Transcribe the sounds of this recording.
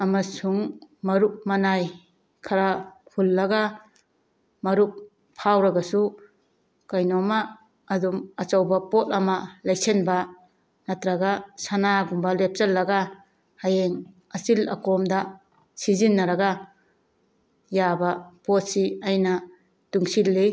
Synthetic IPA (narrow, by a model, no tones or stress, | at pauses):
ɐmɐsuŋmɐɾuk̚mɐnaj | kʰaɾapʰulːɐɡa | mɐɾuk̚ | pʰːawɾɐɡɐsu | kajnɔmaː | dumɐt͡ʃawbɐpot̚ɐmɐlaj̚senbɐ | nat̪ɾaɡasanaɡumbalep̚t͡ʃɐlːɐɡa | hajeŋ | ɐsilɐ̰kɔmda | sizinːɐɾɐɡa | jabapot̚siajna | tuŋsilːi